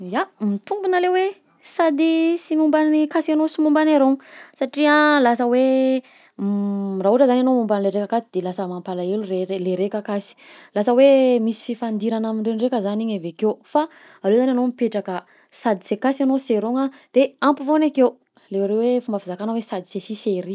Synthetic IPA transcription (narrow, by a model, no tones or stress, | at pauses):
jamit̪umbunalewe | sad̪isimumbanikasanosimumbanaɾoŋsaʈ͡ʂialasəwe | raɦuʈ͡ʂəzananomumbanileɾekakat̪id̪elasəmampalailureeleɾekakasi̥lasəwemisi̥fifand̪iɾanamiɳɖ͡ʐenrekəzaniɲevekewfa | alewzananomipeʈ͡ʂakə | sad̪isekasanoseɾoŋad̪̥eampivonekew | lewɾewefumbəfizakanəwesad̪isesiseɾi